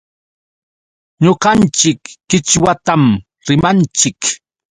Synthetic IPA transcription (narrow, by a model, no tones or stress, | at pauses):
ɲoqɑnt͡ʃɪkːɪt͡ʃwat̪am | ɾɪmant͡ʃɪk